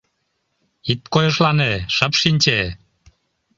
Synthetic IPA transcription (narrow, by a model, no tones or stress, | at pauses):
it̪̚kojəʃlɑneʃəpʃinʲt͡ɕe